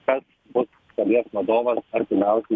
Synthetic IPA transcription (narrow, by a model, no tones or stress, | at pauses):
kɐs | bʊs | sɐlʲiɛsʋɐd̪oːʋɐsɐɾʲt̪ʲɪmʲæˑʊsʲɪ